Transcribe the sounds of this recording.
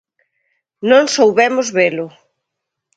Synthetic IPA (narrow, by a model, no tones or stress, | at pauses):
nõŋsowβɛmʊzβelʊ